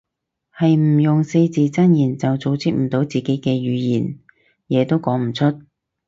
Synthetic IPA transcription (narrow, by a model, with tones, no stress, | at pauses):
hɐ˨jm̩˨˩jʊ˨ŋse˧jt͡siː˨t͡sɐ˥njiː˨˩nt͡sɐ˨wt͡so˨wt͡sʰiː˥k̚m̩˨˩t̪o˨˥wt͡siː˨ke˨˥jkɛː˧jyː˨˧jiː˨˩n | jɛː˨˧t̪o˥wkɔː˨˥ŋm̩˨˩t͡sʰɵ˥t̚